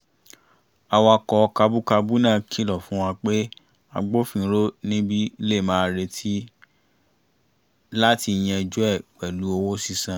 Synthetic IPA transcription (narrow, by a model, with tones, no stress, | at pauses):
a˧wa˧kɔ˧ka˧bu˦ka˧bu˦nã˦˨kʰi˦lɔ˨fũ˦w̃ã˧k͡pe˦ | a̰˧ɡ͡bo˦fĩ˦˨˦ɾo˦nĩ˦bi˦˧˦le˦˨mãː˨˦˨ɾe˧tʰi˦ | la˦ti˧j̃ɛ̃˧˨d͡ʒu˦ɛ˦˨k͡pɛ˨lu˨˦o˧wo˦si˦˧sã˨